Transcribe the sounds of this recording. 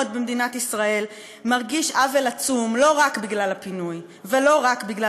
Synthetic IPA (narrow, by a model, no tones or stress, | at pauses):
d̪̚bemd̪inat̪isʁae̞l | maʁɡiʃavelat͡sumlo̞ʁakbiɡlalapinuj | velo̞ʁakbiɡla